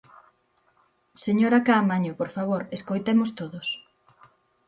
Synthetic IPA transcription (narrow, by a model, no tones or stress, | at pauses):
seɲoɾakaːmaɲopoɾfaβoɾeskojt̪emost̪oðos